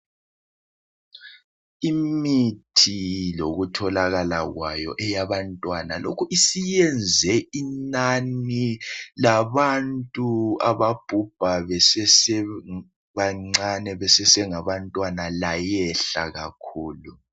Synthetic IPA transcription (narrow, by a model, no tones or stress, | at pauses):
imitʰiloɣutʰɔlaɣalaɣwajɔ̰ʔɛjaβantʼwanalokʰuʔisijɛnd͡zʱɛʔinanilaβantʼuaβab̥ʱub̥ʱaβɛsɛsɛ | βaŋ͡ǀanɛβɛsɛsɛŋaβantʼwanalajɛɬa̰ɣakʰuːlu